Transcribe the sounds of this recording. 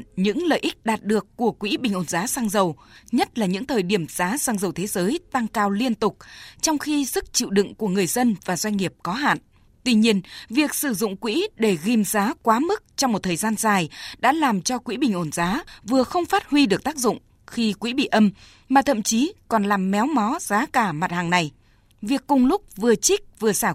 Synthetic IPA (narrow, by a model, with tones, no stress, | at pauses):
ɲɨ̰˧˥ŋlə̰ː˧˨jʔï˦˥k̟̚ɗaː˨˩t̚ɗɨ˨˩əkːu˧˩əkwḭ˧˥ɓï˨˩ŋ̟ʔo˧˩nzaː˨˦saː˧ŋzə˨˩wɲə˦˥t̚laː˨˩ɲɨ̰˧˥ŋt̪ʰəː˨˩jɗi˧˩əmz̥aː˨˦saː˧ŋzə˨˩wt̪ʰe˨˦zəː˨˦jt̪a˧ŋkaː˧wli˧ənt̪ʊ˨˩k͡p̚t͡ɕɔ˧wŋ͡mxi˧zɨ˦˥k̚t͡ɕḭ˧˨wɗɨ̰˧˨ŋku˧˩əŋɨ˨˩əjzə˧nvaː˨˩zwa˧jŋ̟ŋi˨˩əp̚kɔ˨˦ɦa̰ː˧˨n | t̪wi˧ɲi˧ənvi˨˩ək̚sɨ˧˩zʊ̰˧˨ŋ͡mkwḭ˧˥ɗe˧˩ɣi˧mzaː˨˦kwaː˨˦mɨ˦˥k̚t͡ɕɔ˧wŋ͡mmo˨˩t̪̚ʰəː˨˩jzaː˧nzaː˨˩jɗa̰ː˧˥laː˨˩mt͡ɕɔ˧kwḭ˧˥ɓï˨˩ŋ̟ʔo˧˩nzaː˨˦vɨ˨˩əxə˧wŋ͡mfaː˦˥t̚hwi˧ɗɨ˨˩ək̚t̪aː˦˥k̚zʊ̰˧˨ŋ͡m | xi˧kwḭ˧˥ɓḭ˧˨ʔə˧m | maː˨˩t̪ʰə̰˧˨mt͡ɕi˨˦kɔ˨˩nlaː˨˩mːɛ˨˦wmɔ˨˦z̥aː˨˦kaː˧˩ma˨˩t̚haː˨˩ŋna˨˩j | vi˨˩əkːʊ˨˩ŋ͡mlʊ˦˥k͡p̚vɨ˨˩ət͡ɕï˦˥k̚vɨ˨˩əsaː˧˩